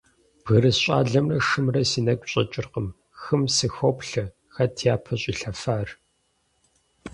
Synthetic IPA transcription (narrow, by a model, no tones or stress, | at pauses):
b̥ɣɐɾɨsɕʼa̰ːɮɐmrɐʂɨmrɐsiːnɐkʷʼɕʼɐ̰t͡ʃʼɪrqəm | xɨmsɨxopɬɐ | xɐtʰiaːpʰɐɕʼiːɬɐfaːr